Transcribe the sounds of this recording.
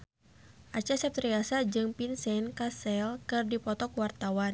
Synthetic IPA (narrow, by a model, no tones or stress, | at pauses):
ʔat͡ʃasɛp̚t̪ɾiasad͡ʒɨŋpinsɛnkasɛlkɨrdipɔt̪ɔkwart̪awan